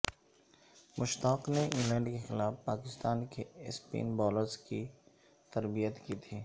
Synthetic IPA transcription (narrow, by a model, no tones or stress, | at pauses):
mʔʊʃt̪aːqneʔɪ̃ŋlɛ̃ːɳɖkexɪlaːfpaːkɪst̪aːnkespḭːnbɔːləɾzki | t̪ɐɾbijət̪kit̪ʰiː